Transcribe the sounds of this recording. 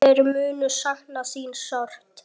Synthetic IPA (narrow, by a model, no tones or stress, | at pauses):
ɛɾmʏːnʏsaŋnasiːnsɔr̥t̪